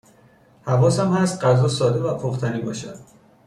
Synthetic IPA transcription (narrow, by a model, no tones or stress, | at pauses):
hævɒːsæmhæst̪̚ɢæzɒːsɒːd̪evæpʰoχt̪ʰæniːbɒːʃæd̪̥